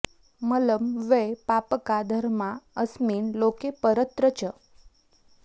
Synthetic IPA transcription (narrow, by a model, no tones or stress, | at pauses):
mələmʋepapəkad̪ʱəɾmaəsmiːnlokepəɾət̪ɾət͡ɕə